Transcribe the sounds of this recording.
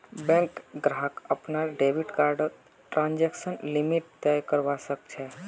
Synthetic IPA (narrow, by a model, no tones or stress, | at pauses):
bɛ̃ŋkɡɾaɦkəpnaɾɖeʋiʈkaɾɖət̪ | ʈɾãnd͡ʒeksənlimiʈ̚t̪ɛjkəɾʋasək̚t͡ʃʰe